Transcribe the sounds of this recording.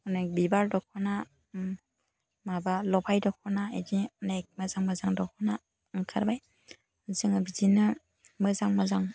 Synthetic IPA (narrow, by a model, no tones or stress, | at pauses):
nɯbibaɾdɔkʰɔna | mabalɔpʰajdɔkʰɔnaedinak̚mazaŋmazaŋdɔkʰɔna | ŋkʰaɾbaj | zɯŋabizinɯ | mɯzaŋmazaŋ